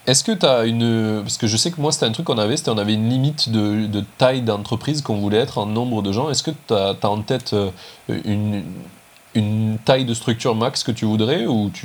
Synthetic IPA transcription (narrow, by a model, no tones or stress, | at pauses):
ɛskət̪yaynpaʁskəʒəsɛkəmwase̥t̪ɛɛ̃t̪χykːɔ̃navɛse̥t̪ɛɔ̃navɛynlimit̪d̪əd̪ət̪ajd̪ɑ̃t̪χəpχizkɔ̃vulɛɛt̪χɑ̃nɔ̃bʁəd̪əʒɑ̃ɛskət̪at̪aɑ̃t̪ɛt̪ʰøyn | ynt̪ajd̪əst̪χyk̚t̪yʁmakskət̪yvud̪ʁɛut̪ʰy